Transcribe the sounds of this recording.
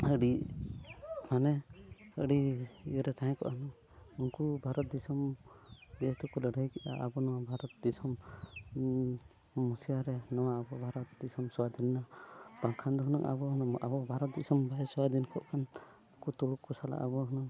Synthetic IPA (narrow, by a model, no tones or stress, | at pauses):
əɽi | manɛəɽiiɔɾɛt̪ʰaj̃kɔ̰ʔhənɔ | uŋkubʱaɾɔt̪̚d̪isɔm | d͡ʒɛt̪ukɔləɽəjkiʔa̰ʔabɔnɔwabʱaɾɔt̪̚d̪isɔm | musijaɾɛnɔwaːbɔbʱaɾɔt̪̚d̪isɔmsɔwad̪inːab̥aŋkʰand̪ɔɦnɔŋʔa̰bɔɦnɔa̰bɔbʱaɾɔt̪̚d̪isɔmbʱaɛsɔwad̪inkʰɔʔkʰan | ukut̪uɽukːɔsala̰ʔabɔɦənɔŋ